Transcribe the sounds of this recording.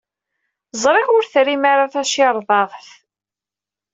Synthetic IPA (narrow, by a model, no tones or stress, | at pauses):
zˤɾˤeʁʊɾθɾimaɾaθæʃɪɾˤðˤɑðˤθ